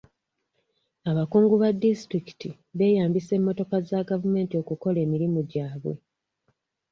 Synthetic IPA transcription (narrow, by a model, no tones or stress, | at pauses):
aβakuːŋɡuβadːistɾiki̥ti | βe̞ːjaːmbise̞mːo̞to̞kazaɡavume̞ːntio̞kuko̞le̞ːmiɾimuɟaːβṵ